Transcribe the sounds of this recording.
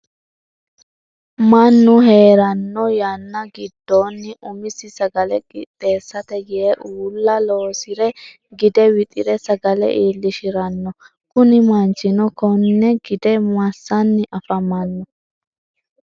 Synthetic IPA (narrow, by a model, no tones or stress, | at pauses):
mɐnːʊɦe̞ːɾɐnːɔjɐnːɐɡɪd̪ːoːnːɪʔʊmɪsɪsɐɡɐlɛɡʼɪ̰t̪ʼːe̞ːsːɐt̪ɛɡɪɛʔuːlːɐloːsɪɾɛ | ɡɪd̪ɛwɪt̪ʼɪɾɛsɐɡɐlɛ̰ʔiːlːɪʃɪɾɐnːɔ | kʊnɪmɐnt͡ʃːɪnɔkɔnːɛɡɪd̪ɛmɐsːɐnːɪʔɐfɐmɐnːɔ